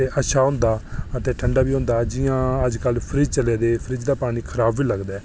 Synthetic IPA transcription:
eːʔəʃaːɦʊ̃nd̪aːət̪eːʈʰəɳɖaːbiːɦoʊ̃nd̪aːd͡ʒɪjãːəd͡ʒkəlpʰɾiːd͡ʒt͡ʃəleːd̪eːpʰɾiːd͡ʒd̪aːpaːɽ̃iːkʰəɾaːbːiːləɡd̪aɛː

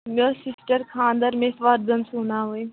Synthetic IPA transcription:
moːsɪsʈəɾkʰãːnd̪əɾmẽsʋaɾzənsuːnaːɦoːe

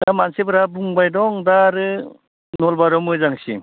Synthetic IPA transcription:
damansebɯɾabuŋbajdɔŋdaɾɯ | nɔlbaɾɔmɯzaŋsḭ

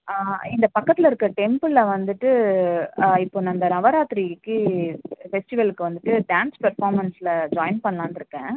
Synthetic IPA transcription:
ɪnd̪ɐpɐkːɐt̪ːɪlɐɪɾɯkːɐʈɛmpɯlːɐʋɐnd̪ɯʈːɯ | ɪpːoːnːɐnd̪ɐnɐʋɐɾaːt̪ːɪɾikːɯ | fɛsʈɪʋɐlɯkːɯʋɐnd̪ɯʈːɯɖaːnspɐɾfaːɾmɐnsɪlɐd͡ʒaːɪnpɐɳːɐlaːnɪɾɯkːẽː

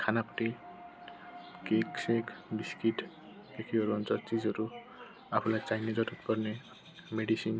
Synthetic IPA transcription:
kʰanapɔ̥ʈi | keksekbiskiʈʰ | dekʰiɦɔɾuɔnt͡ʃɔɾt͡ʃizɔɾu | apʰulajt͡ʃajned͡ʒɔtut̪pɔɾne | meɖisin

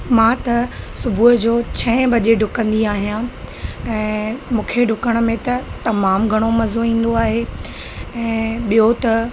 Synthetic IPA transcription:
mãːt̪ɐsʊbʱuɦəd͡ʑoːt͡ɕʰɐ̃ɦɪ̃bɐʄeɖʱʊkə̃nd̪iaːɦijã | ɛ̃ːmũːkʰeɖʱʊkəɽ̃ə̆mẽt̪ɐt̪ɐmaːmɡʱɐɽ̃omɐzoĩːn̆d̪oaːɦe | ɛ̃ːɓijot̪ɐ

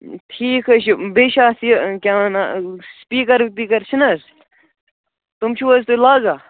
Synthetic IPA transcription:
t̪ʰiːkʰɐt͡ʃʰbeːʃaːsikʲaːnaspiːkɐɾp̪iːkɐɾt͡ʃʰinɐs | t̪umt͡ʃʰuʋɐst̪ulaːɡaː

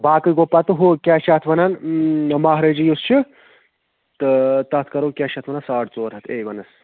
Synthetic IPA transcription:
baːkɨɡopːat̪ɨɦokʲaːʃat̪ʰʋɐnɐnmaːɦɾed͡ʒijust͡ʃʰi | t̪ɨt̪ɐt̪ʰkɐɾoːkʲaʃʰɐt̪ʰʋɐnɐsaːʈʰt͡soːɾɦɐt̪ʰeːʋɐnɐs

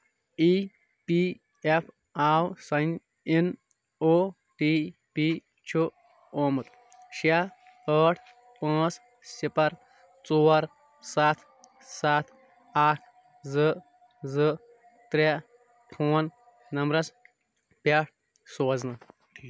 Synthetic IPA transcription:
i | pi | epʰ | aːwsɐn | in | o | ʈiːpi | t͡ʃʰu | oːmɨt̪ | ɕa | əːʈʰ | pãːs | sipɐɾ | t͡suɐɾ | sat̪ʰ | sat̪ʰ | aːkʰ | zɨ | zɨ | t̪ɾe | pʰoːn | nɐmɾɐs | pʲaʈ̚ʰ | soɐznɐ

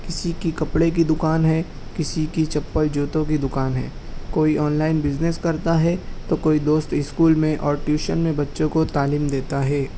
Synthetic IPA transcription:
kɪsikikɐpɽek̬id̪ʊkaːnɦɛ | kɪsikit͡ʃɐpːəld͡ʒoːt̪õk̬id̪ʊkaːnɦɛ̰ː | koːiʔɔːnlaːɪnbɪd͡ʒneskɐɾt̪aɦɛt̪okoːid̪oːst̪ɪskuːlmẽʔɔːɾʈjuːʃənmẽbɐtːʃõkot̪aːliːmd̪eːt̪aɦɛː

